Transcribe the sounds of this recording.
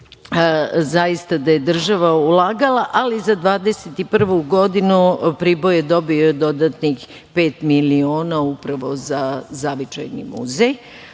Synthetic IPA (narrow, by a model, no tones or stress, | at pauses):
zajist̪ad̪aje̞d̪r̩ʒaʋaulˠaːɡalˠaʔalizad̪ʋaːd̪eset̪ipr̩ʋuɡo̞d̪inupɾibo̞jed̪o̞bioed̪o̞d̪at̪nix | pe̞ːt̪milio̞ːnaupɾaʋo̞zazaʋit͡ʃa̰jnḭmṵzej